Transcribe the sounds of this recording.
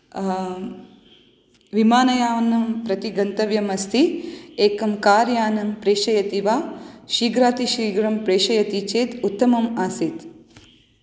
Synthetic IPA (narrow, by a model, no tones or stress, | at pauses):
ʋimaːnɐjaːʋɐnɐmpɾɐt̪iɡɐnt̪ɐʋjɐmɐst̪ʰieːkɐmkaːɾjaːnɐmpɾeːʃɐjɐt̪iʋaːʃiːɡɾaːt̪iʃɾiːɡɾɐmpɾeːʃɐjɐt̪it͡ʃeːt̪ut̪ːɐmɐmaːsit̪